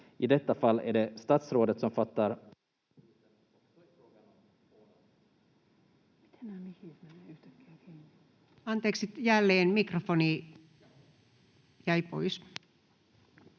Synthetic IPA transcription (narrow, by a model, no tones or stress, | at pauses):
ʔɪd̪ɛt̪ːafalːæ̰ɖɛst̪ɑt̪sɾoːd̪ət̪sɔmfat̪ːaɾ | mit̪enæmihit̪menːeyht̪ækːækin | ɑnt̪eːksit̪jælːeːnmikrofoniː | jæipo̰is